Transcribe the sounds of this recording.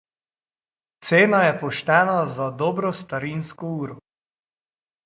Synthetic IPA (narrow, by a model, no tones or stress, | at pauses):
t̪seːnajɛpɔʃt̪ɛːnazad̪ɔːbɾɔst̪aɾinskɔuːɾɔ